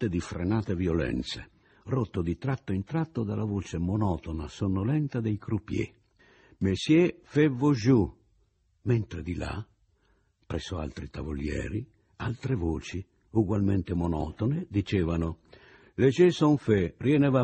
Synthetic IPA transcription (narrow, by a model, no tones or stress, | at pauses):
t̪ed̪ifɾenaːt̪evjolɛ̰nt̪se | rot̪ːod̪it̪ɾat̪ːoint̪ɾat̪ːod̪alavoːt͡ʃemɔnɔt̪onasonːolɛnt̪ad̪ejkɾupjḛ | mesjefɛvːoʒu | ment̪ɾed̪ila̰ | pɾɛsoa̰lt̪ɾit̪avo̰ljɛ̰ːɾi | alt̪ɾevoːt͡ʃi | uɡwalment̪emɔnɔ̰t̪oned̪it͡ʃeːvanʊ | let͡ʃesoɱferjɛneva